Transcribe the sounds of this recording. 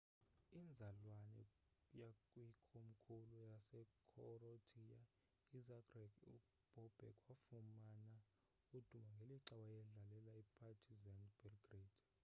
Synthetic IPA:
ind͡zʱalwanɛ̰jakʼwikʰom̩kʰulujasɛkʰɔɾotʰʼija | izaɡrɛɡu | b̥ʱɔb̥ʱɛ̰kʼwafumana | ud̥ʱumaŋɡʱeliǁaɓajɛɮalɛlaipʰatʰizɛndb̥ɛlɡriːd̥

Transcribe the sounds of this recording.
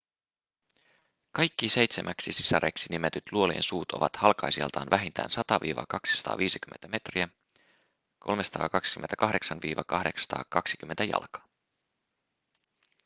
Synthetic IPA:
kɑjkːise̞jt̪semʔæksisi̥sɑɾeksinimet̪yt̪luo̞liḛnsuːt̪o̞̰ʋɑt̪hɑlkɑjsiɑ̰lt̪ɑ̰ːnʋæɦint̪ʰæ̰ːnsɑt̪ɑʋḭːʋɑ̰kɑksi̥sɑ̥t̪ɑ̰ːʋiːsikymːent̪æme̞t̪riæ | kʰo̞̰lmesɑ̥t̪ʰɑ̰ːkɑksi̥kyment̪ækɑɦde̞ksɑnʋiːʋɑkɑhde̞kssɑ̥t̪ɑ̰ːkɑksi̥k̟ymːent̪æjɑ̰lkɑ̥ː

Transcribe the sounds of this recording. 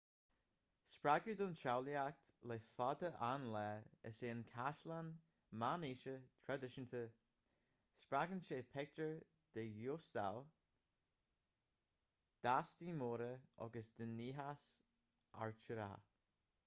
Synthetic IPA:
spɹaɡuːd̪ʊnt͡ʃawliak̚t̪lefɔd̪əʔanlɛːə̰seːnkʰaʃlan | maniːʃət̪ʰɹadɪʃənt̪ʰə | spɾaɡənʃeːpʰɛk̚təɹ | d̪̥əjoːst̪aw | d̪̥aːstiːmoːɾəɔ̰ɡəsd̪̥ənːiːɦas | a̰ɹt͡ʃəɾa̰

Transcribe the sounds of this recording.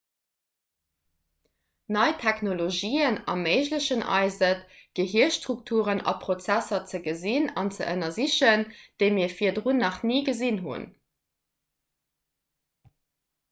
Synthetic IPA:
nɑɪtʰæknoloʒiːənɑ̰məɪʑləɕənʔɑ̰ɪzətɡ̥əɦiəʃtʁuk̚tʰuːʁənɑ̰pχot͡sæsɐt͡səɡəzinɑnt͡sə̰ʔənɐziɕənd̥əɪmiːɐfiːɐdʁunːɑχniːɡəzinɦṵn

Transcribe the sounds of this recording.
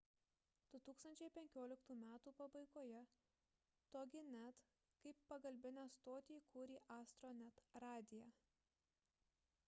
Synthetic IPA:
d̪̥ʊt̪uːkst̪ɐnʲt͡ʃʲɛɪpʲɛŋʲkʲoːlʲɪkt̪uːmʲæːt̪uːpɐbɐɪkoːjɛ | t̪oːɡʲɪnʲæt̪ | kɐɪpːɐɡɐlʲbʲɪnʲæst̪oːt̪ʲiːkʰuːɾʲiːʔɑːst̪ɾoːnʲɛt̪ɾɑːd̪ʲɪjæ

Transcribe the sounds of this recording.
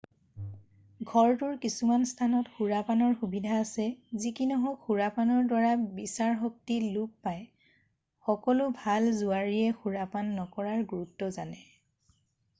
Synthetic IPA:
ɡʱɔɹtʊɹkisumanstʰanɔtxuɹapanɔɹxubidʱaːsɛzikinɔɦɔkxuɹapanɔɹdwaɹabisaɹxɔk̚tilupːaj | xɔkɔlʊbʱalzʊaɹiɛxuɹapanːɔkɔɹaɹɡuɹutːɔzanɛ

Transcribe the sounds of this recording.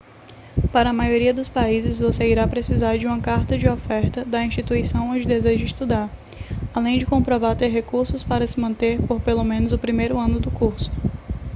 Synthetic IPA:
paɾɐːmajoɾiɐd̪ʊspaizɪzvoseiɾapɾesizaɾd͡ʒɪũmɐkaɾt̪ɐd͡ʒɪɔfɛɾt̪ɐd̪ɐĩʃt͡ʃit̪uisɐ̃w̃õd͡ʒɪd̪ezeʒʊist̪ud̪aɾ | alẽj̃d͡ʒɪkõmpɾɔvaɾt̪eɾɦekuɾsʊspaɾɐsɪmɐ̃nt̪eɾpoɾpelomẽnʊzʊpɾimejɾʊɐ̃nʊd̪ʊkuɾsʊ̥

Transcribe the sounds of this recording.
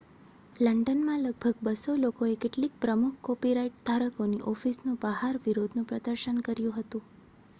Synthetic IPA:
ləɳɖənmãləɡ̚bʱəɡ̚bəsolokoekeʈlik̚pɾəmukʰkɔpiɾaiʈ̚d̪ʱaɾəkoniʔɔfisnũbəɦaɾʋiɾod̪ʱnũpɾəd̪əɾʃənkəɾjũɦət̪ũ

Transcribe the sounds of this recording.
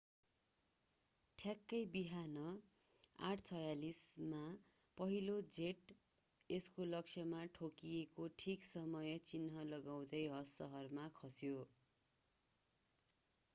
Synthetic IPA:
ʈʰjakːʌjbiɦanʌ | a̰ʈʰt͡sʰʌjalisma | pʌɦilod͡zeʈ | eskolʌksʰjʌmaʈʰokijekoʈʰiksʌmʌjʌt͡sinɦʌlʌɡaw̃d̪ʌjɦʌsːʌɦʌrmakʰʌsjo

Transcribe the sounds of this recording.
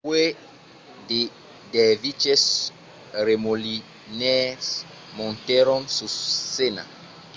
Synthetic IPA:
we | de | dɛvit͡ʃes | ɾemoli | nɛs | mõnt̪ɛɾɔ̃nsusena̰

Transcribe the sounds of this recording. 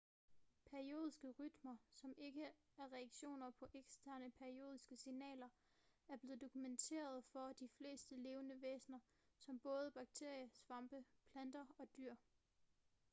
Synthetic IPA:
pʰæɐio̝ːðˠisɡ̥əʁyd̥mɐsɒ̽me̝ɡ̥ə | æɐʁɛɑɡ̥ɕo̝̰ːnɐpʰɒ̽ʔeɡ̥sd̥ʰæɐnəpʰæɐio̝̰ːð̞ˠisɡ̥əsinɛ̰ːlɐ | æɐb̥le̝ːð̞̩ˠd̥o̝kʰument͡sʰe̝̰ːɐð̞̩ˠfɒ̽d̥ifle̝̰ːsd̥əle̝ːʊənəʋḛːsnɐ | sɒ̽mb̥ɔ̽ːð̞ˠəb̥ɑ̈ɡ̥̚t͡sʰe̝ɐ̰jəsʋɑ̈mb̥əpʰlænd̥ɐɒ̽d̥yɐ̰

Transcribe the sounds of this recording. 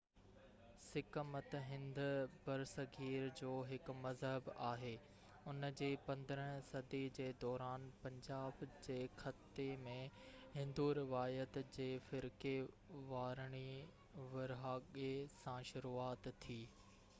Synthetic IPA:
sɪkəmət̪ɦɪ̃nd̪ʊbɐɾsɐɡʱiːɾd͡ʑoːɦɪkmɐzɦəbaːɦeː | ʊnd͡ʑeːpɐ̃nd̪əɾəɽ̃sɐd̪id͡ʑeːd̪ɔːɾaːnpɐ̃ɲd͡ʑaːbd͡ʑeːxɐt̪ːemẽɦɪ̃nd̪uɾɪʋaːjət̪d͡ʑeːfɪɾke | ʋaːɾɽ̃i | ʋɐɾɦaːɠesãʃʊɾuːaːt̪ʰːiː

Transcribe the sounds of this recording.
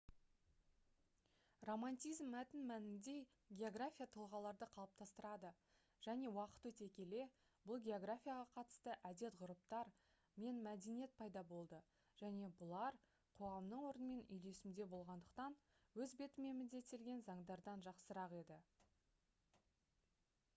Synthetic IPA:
ro̞manʲt̪izmːæt̪ɪnmænɪnd̪e̞ | ɡʲe̞o̞ɡrafʲijat̪ʰəlˠʁɑlˠɑɾd̪əqʰɑlˠəp̚t̪ʰɑst̪əɾɑd̪ə | ʒ̥æne̞wɑqə̥t̪wɵt̪e̞kʲe̞le̞ | b̥ʊlˠɡʲe̞o̞ɡrafʲijaʁɑqʰɑt̪ə̥st̪əʔæd̪e̞t̪ʁʊɾəp̚t̪ɑɾ | me̞nmæd̪enije̞t̪̚pʰɑjd̪ɑbo̞lˠd̪ə | ʒ̥æne̞bʊlˠɑɾ | qʰo̞ʁɑmd̪əɴwo̞ɾənəme̞nʏ̰jle̞sɪmd̪e̞bo̞lˠʁɑnd̪əqt̪ɑnwɵzbe̞t̪ɪme̞mɪd̪e̞t̪ːelɡʲe̞nzɑɴd̪ɑɾd̪ɑnʒɑqsəɾɑqe̞d̪ɪ

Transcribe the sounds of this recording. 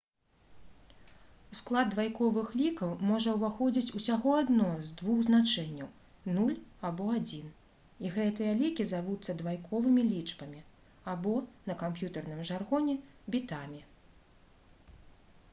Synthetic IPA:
usklˠad̪ːvajkɔvɨxlʲikɐwmɔʐɐwvaxɔd͡zʲit͡sʲusʲaɣɔad̪nɔzd̪vuɣznat͡ʂɛnʲːɐw | nulʲabɔad͡zʲin | iɣɛt̪ɨjɐlʲikʲizavut̪sːɐd̪vajkʰɔvɨmʲilʲit͡ʂbɐmʲi | abɔnɐkampjut̪ɐrnɨmʐarɣɔnʲɛ | bʲit̪amʲi

